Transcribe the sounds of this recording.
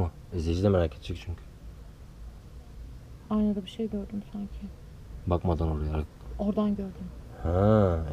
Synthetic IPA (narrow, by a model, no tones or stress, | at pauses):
a | izlʲed͡ʒid̪ɛmeɾaːcʰet̪ʰd͡ʒʰɛc̚t͡ʃʰyɲcʰy̥ | ajnad̪abiʃejɟøɾd̪ymsaɲcʰɪ | bakmad̪anoɾajaɾakoɾd̪anɟøɾd̪ym | hæ